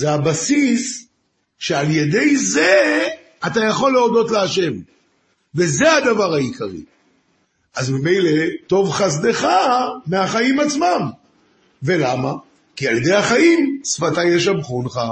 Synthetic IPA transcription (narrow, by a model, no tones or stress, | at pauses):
zeabasis | ʃealje̞d̪e̞jze | atajaχo̞lːeod̪o̞tleaʃe̞m | ve̞ze̞ad̪avaʁaikʰaʁḭ | ʔazmime̞jle̞to̞vχas̬d̪e̞χameaχaimat͡smam | ve̞lama | kialje̞d̪ejaχaimsfatajeʃamχunχa